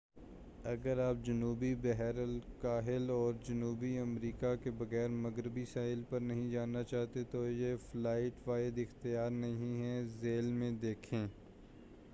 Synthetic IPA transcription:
ɐɡəɾaːp̚d͡ʒɐnuːbibɛɦɛɾəlkaːɦɪlɔːɾd͡ʒɐnuːbiɐmɾiːkakebɐɣɛːɾmɐɡɾɪbisaːɪlpɐɾnɐɦĩd͡ʒaːnːat͡ʃaːɦt̪et̪ojeflaːɪʈʋaːɪd̪ɪxt̪ɪjaːɾnɐɦɦĩɦɛzeːlmẽd̪eːkʰẽː

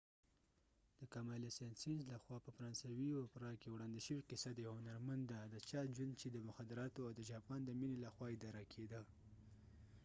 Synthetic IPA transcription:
d̪̥əkamɑlasensinzlaxwɑpəfaɾɑnsawiapɾɑkewɽɑnd̪iʃəwiqɪsad̪əhʊnaɾmand̪d̪ad̪ət͡ʃɑʒwand̪t͡ʃed̪əmʊxad̪ɪɾɑt̪oawd̪əʒɑpɑnd̪əminelaxwɑɪd̪ɑɾakʰed̪ə

